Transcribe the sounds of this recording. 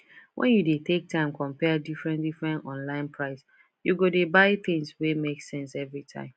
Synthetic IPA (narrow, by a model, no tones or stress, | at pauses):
wʔɛ̰̃njudetʰek̚tʰãɪ̃mkʰɔ̃mpɛdifɹɛ̃ndifɹɛ̃ntɔ̃nlãɪ̃npʰɹaɪs | juɡodebaɪθɪ̃ŋswemeksɛ̃nsɛvɹitʰã̰ɪ̃m